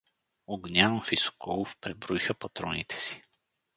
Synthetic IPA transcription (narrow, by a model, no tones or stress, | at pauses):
oɡnʲanofiso̥kɔlˠʊfpɾɛbɾoixəpat̪ɾɔnit̪ʰɛ̥si̥